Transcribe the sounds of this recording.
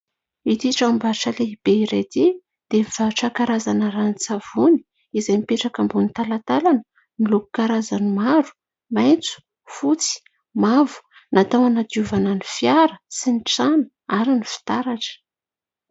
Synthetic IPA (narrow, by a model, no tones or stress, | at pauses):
it̪iʈ͡ʂambaɾʈ͡ʂəleib̥eiɾad̪e | d̪̥emiv̥aʈ͡ʂakaɾazanəɾanit͡sav̥uni̥ | izajmipeʈ͡ʂakambunit̪alat̪alanə | niloku̥kaɾazanimaɾu̥ | majnt͡su̥ | fut͡si̥ | mavu̥ | nat̪awanad̪iuvananifjaɾəsinit͡sanə̥ | aɾinifi̥t̪aɾaʈ͡ʂə̥